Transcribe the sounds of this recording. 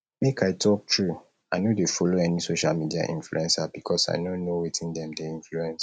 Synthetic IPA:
mekʰaɪtʰɔk̚tʰɹu | aɪnodefɔloɛnisoʃalmidia̰ʔḭ̃nflṵɛ̃nsabikʰɔsa̰ɪnonowitʰĩndɛ̃mdeĩnfluɛ̃ns

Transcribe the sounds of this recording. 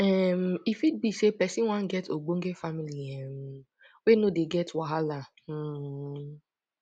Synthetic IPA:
ɛm̩ifit̚bisepɛsĩwãn̩ɡɛtoɡ͡boŋ̩ɡefamiliɛm̩ | wenodeɡɛtwaɦala

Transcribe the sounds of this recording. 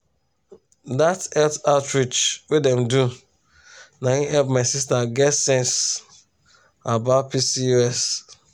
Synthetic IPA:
datɛltaʊtɹit͡ʃwidɛ̃mdu | naiɦɛlpmaɪsis̬taɡɛtsɛ̃ns | abaʊpisiuɛs

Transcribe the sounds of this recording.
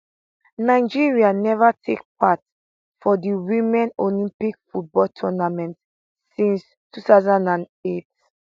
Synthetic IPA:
naɪd͡ʒiɹianɛvatʰek̚pʰat | fɔdiwĩmɛ̃nolĩmpikfut̚bɔltʰɔnamɛ̃nt | sĩns | tʰuθaʊzãndãn | et

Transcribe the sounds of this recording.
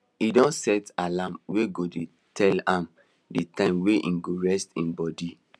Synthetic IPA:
idɔ̃nsɛtalãmweɡode | tʰɛlãm | ditãɪ̃mweʔḭ̃nɡoɹɛstĩnbɔdi

